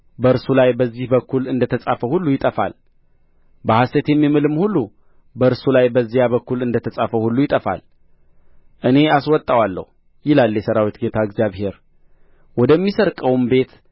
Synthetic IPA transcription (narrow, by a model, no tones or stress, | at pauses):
bəɨɾsulajbəzːihbəkʰːulɨnd̪ət̪ʰəsʼafəhulːujɪt̪ʼəfa̰l | bəhast̪et̪jɛmːimɨlɨmhulːu | bəɨɾsulajbəzːijaβəkːulɨnd̪ət̪ʰəsʼafəhulːujɪt̪ʼəfa̰l | ʔɨne̞aswɔt̪ʼːawalːə̰hu | jɪlaljɛsəɾawit̪ɡe̞t̪ʰaɨɡzjaβhe̞ɾ | wɔd̪əmːisəɾkʼəwmbe̞t̪